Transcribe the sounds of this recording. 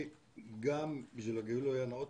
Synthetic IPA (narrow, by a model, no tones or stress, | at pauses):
ɡambiʃvilaɡeulojanaot̪